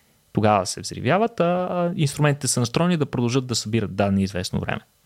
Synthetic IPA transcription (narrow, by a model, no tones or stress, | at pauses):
t̪oɡavə̰sɛ̰vzɾḭvʲjavət̪ainst̪ɾumɛnt̪it̪ɛsənɐst̪ɾɔnid̪ɐpɾod̪ɐlˠʒɤd̪̚d̪ɐsɐbiɾət̪̚d̪ad̪ɛniizvɛsno̰vɾɛ̰mɛ